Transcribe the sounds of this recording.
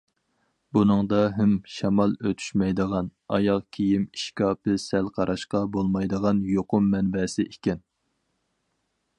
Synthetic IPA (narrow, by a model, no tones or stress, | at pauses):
bunɨŋd̪ɑɦæmʃɑmɑlˠøt̪ʰy̥ʃmɛjd̪əʁɑnɑ̰jɑqkʲʰijimiʃkʲɑːpʰɨsælqʰɑɾʔɑʃqɑbolˠmɑjd̪əʁɑnjoqʊmːɛnbɛsɪʔekʲɛn